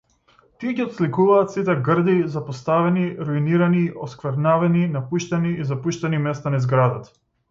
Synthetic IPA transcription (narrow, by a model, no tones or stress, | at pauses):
t̪iɛɟiɔt̪slikuvaːt̪sit̪̬ɛɡr̩d̪izapɔst̪avɛniɾuiniɾaniʔɔskvɛɾnavɛninapuʃt̪ɛniizapuʃt̪ɛnimɛst̪anaizɡɾad̪at̪ḁ